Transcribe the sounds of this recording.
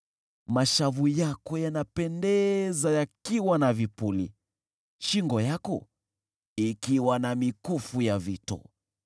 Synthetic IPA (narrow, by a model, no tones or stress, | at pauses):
maʃavujakɔjanapɛndɛzajakiwanavipulḭ | ʃiŋɡɔjakɔ̰ | ikiwanamikufujavitɔ̰